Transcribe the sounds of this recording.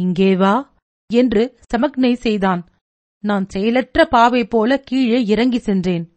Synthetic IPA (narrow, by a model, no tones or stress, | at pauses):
ɪŋɡeːʋaː | ɛndrɯsɐmɐknɐɪsɛjðaːn | naːnsɛjlɐʈrɐpaːʋɐɪpːoːlɐkiːɻeːɪɾɐŋɡɪsɛndreːn